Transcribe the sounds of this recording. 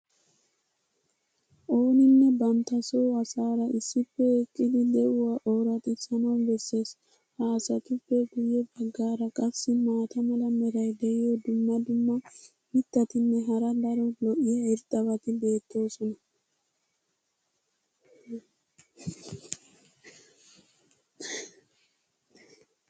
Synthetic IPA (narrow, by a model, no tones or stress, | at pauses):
ʔo̞ːnɪnːɛbɐnt̪ɐsowɐsaːɾɐʔɪsːɪpːɛɛkʼːɪd̪ɪd̪ɛʔʊwaːʔoːɾɐt̪ʼɪsɐnɐnbɛsːe̞ːs | haːsɐt̪ʊpːɛɡʊjɛbɐɡːaːɾɐkʼɐsːɪmaːt̪ʰɐmɐlɐmɛɾɐjd̪ɛjɪjod̪ʊmːɐd̪ʊmːɔ | mɪt̪ːɐt̪ɪnːɛɦɐɾɐd̪ɐɾɔlɔʔɪjɐɪɾt̪ʼːɐβɐt̪ɪbe̞ːt̪ːo̞ːsɔnɐ